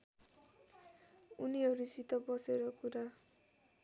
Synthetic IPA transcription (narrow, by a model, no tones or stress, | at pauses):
uniɦʌɾusit̪ːʌbʌseɾʌkuɾa